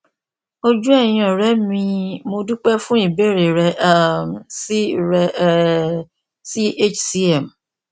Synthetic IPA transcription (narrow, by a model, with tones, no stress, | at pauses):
o˦d͡ʒu˦ɛ˦˨j̃ĩ˧˦ɔ̃˨ɾɛ˨˦mĩ˧mo˧du˦k͡pɛ˦fũ˦i˦˨be˦˨ɾe˨ɾɛ˧ʔa˦˨msi˦˨ɾɛ˧˦ | si˦e˦t͡ʃsi˦ɛ˨m